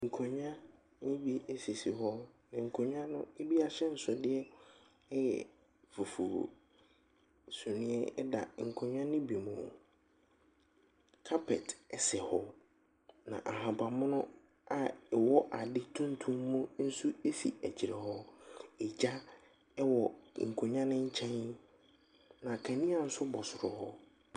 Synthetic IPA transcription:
ŋ̩˨kʰo˨ɲᶣ˦ã˦ | nɪ̃˦bi˨e˦si˨si˨ɦɔ˦nã˨ŋ̩˨kʰõ˨ɲᶣ˦ã˦nʊ̃˦e˦bi˦a˨ɕɛ˦n̩˨sɔ˨dɪ˦ɛ˦ | ɛ˦jɛ̰˨ | fo˨fṵ˨ | su˨nĩ˦ɛ˦ɛ̰˦da̰˨ŋ̩˨kʰɔ̃˨ɲᶣ˦ã˦nĩ˦bi˨mṵ̃˨ | kʰa˦pʰɛ˨tɛ˨sɛ˨hɔ˦ | nã̰˨ʔa˨ɦã˨ba˨mʊ̃˦nʊ̃˦ | a˨ɛ˨wɔ˦ʔa˨dɪ˦tʰũ˦n˦tʰũ˦mːũ˦n̩˦su˦e˦fḭ˨æ˨t͡ɕʰi˨ɾɛ˨hɔ˦ɛ˨d͡ʑa˦ | ɛ˦wɔ˨ŋ̩˨kʰo˨ɲã˦nɪ̃˦ɲ̩˦t͡ɕʰɛ̃˦n | nã˨kʰæ̃˨nĩ˦a˨n̩˦sʊ˦bɔ˨sʊ˨ɾɔ˨hɔ̰˦

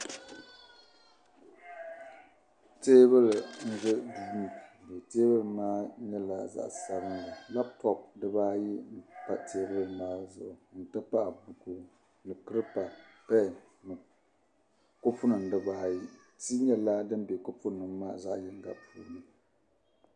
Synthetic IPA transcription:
teː˦βɨ˦lɨ˨n̩˦zɨ˦du˨˦ni˨be˨teː˦bɨ˦lɨ˨maː˦ɲɛ˦la˦za̰˨ʔsa˨bɨ˦nla˨la˦b̚tɔ˨p̚dɨ˦baː˦ji˦n̩˨pa̰˦teː˦bɨ˦lɨ˨maː˦zʊ˨ʔʊ˨n̩˨tɨ˦pa˦ʔa˨bu˨ku˦ | nɨ˨kɨ˦ɾɨ˦pa˨ | pɛ˦˨ | nɨ˨ | kʊ˦fʊ˦nɨ˨n˨dɨ˦baː˦ji˦ | ti˦ɲɛ˦la˦dɨ˦mbe˨kʊ˦fʊ˦nɨ˨˦maː˦˨za̰˦ʔjɪ˦ŋ˦ɡa̰˨pṵː˨lɨ˦

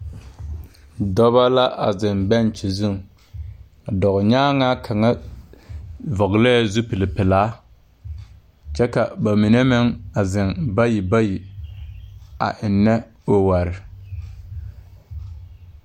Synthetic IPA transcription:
dɔ˦βa˦la˦ʔa̰˨zɪ˨mbɛ˦nt͡ʃi˨zu˦˨ŋ | a˨dɔ˨ɣɲaː˦ŋa˦kʰa˨ŋa˦ | vɔ˨ɡlɛ˦˨zu˦pɪ˨lɪ˨pɪ˨laː˦ | t͡ʃɛ˦ka˨ba˨mi˨ne˦mɪ˦ŋa˨zɪ˨nba˦ji˨ba˦ji˨ | a̰˨ʔɪ˨nːɛ˦ | o˨wa˨ɾɪ˨

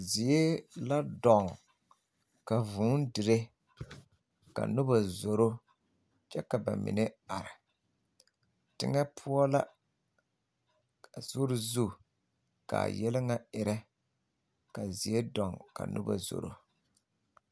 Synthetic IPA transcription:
zi˨je˦la˦dɔ˨ŋ | ka˨vʊː˨˦n˦dɨ˨ɾe˦ | ka̰˨nʊ˦ba˨zo˨ɾo˦ | t͡ʃɛ˦ka˨ba̰˨mɪ̰˨nɛ˦a˨ɾɪ˨ | tɪ̰˦ŋɛ˦pʰʊ˦ɔ˦la˦˨ | z̥ʊ˦ɾɪ˦zu˦ | ka̰ː˨jɛ˦lɪ˦ŋa˦ɪ˦ɾɛ˦ | ka˨zi˨e˦dɔ˨ŋka̰˨nʔʊ̰˦ba̰˨zo̰˨ɾo̰˦

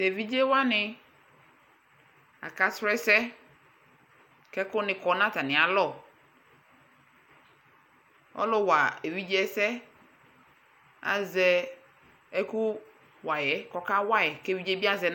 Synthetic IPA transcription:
te˨vi˦d͡ʒe˦wa˦nɪ˨ | a̰˨ka˨sɾɛ˦sɛ˦ | kɛ˦kʊ˦nɪ̃˨kɔ˨nã˦ta˨nɪ˨a˨lɔ˦˨ | ɔ̰˦lʊ˦wa˨e˨vi˦d͡ʒe˦sɛ˦ | a̰˨zɛ˦ | ɛ˦ku˦ | wa˨jɛ˨kɔ˦ka˦wa˦jɛ˨kɛ˦vi˦d͡ʒe˦bi˦a˦zɛ˨n

